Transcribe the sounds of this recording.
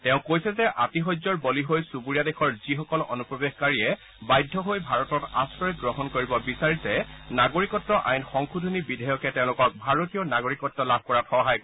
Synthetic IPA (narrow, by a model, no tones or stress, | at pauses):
tɛʊ̃kojsɛzɛʔatiɦɔjzɔɹbɔliɦojsubuɹijadexʰɔɹzixɔkɔlɔ̰nupɹɔbeɡkaɹiɛ | bajdʱːɔɦojbʱaɹɔtɔtasɹɔjɛɡɹɔɦɔnkoɹibɔbisaɹisɛnaɡoɹikɔtːɔʔajnxɔŋxʰudʱonibidʱɔjɔkɛtɛ̃ʊ̃lʊkɔk̚bʱaɹotijɔnaɡoɹikɔtːɔlab̚ʱkɔɹatxɔɦaj